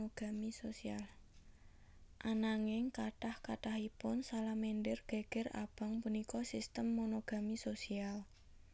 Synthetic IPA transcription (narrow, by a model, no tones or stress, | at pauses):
oɡ̥a̤misosial | ʔanaŋɪŋkaʈahkaʈahipʊnsalameɳɖɪrɡ̥e̤ɡ̥ɛra̰b̥a̤ŋpunikɔsist̪əmːonoɡ̥a̤misosial